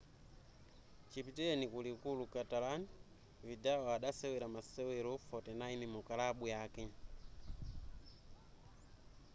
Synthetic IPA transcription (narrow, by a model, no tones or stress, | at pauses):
t͡ʃipitilɛnikulikulukatalan | vidaɔaɗasɛwilamasɛwilɔfɔtɛnaimimukalaɓujaki